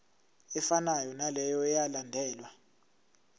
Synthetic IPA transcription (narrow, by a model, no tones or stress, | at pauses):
ɛfanajɔnalɛjɔɛjalandʱɛːlwa